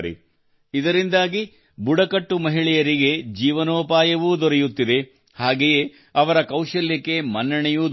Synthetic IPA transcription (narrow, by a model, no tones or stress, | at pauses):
ɾḭ | id̪ɐɾind̪aːɡi | buɽɐkɐʈːumɐɦiɭɛjɐɾiɡe̞d͡ʒiːʋɐnoːpaːjɐʋuːd̪ɔɾɛjut̪ːid̪e̞ | haːɡeje̞ | ɐʋɐɾɐkɐwʃɐljɐkːe̞mɐnːɐɳɛjuːd̪